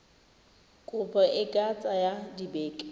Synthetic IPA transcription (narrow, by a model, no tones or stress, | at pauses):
kʼʊbɔʔɪɡʼat͡sʼajadibɛːkʼɛ̥